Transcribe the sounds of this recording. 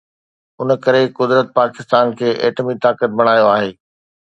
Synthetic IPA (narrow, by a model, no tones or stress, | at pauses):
ʊnə̆kɐɾekʊd̪ɾət̪̚paːkɪst̪aːnkʰeːʔeːʈəmit̪aːkət̪̚bɐɽ̃aːjoaːɦeː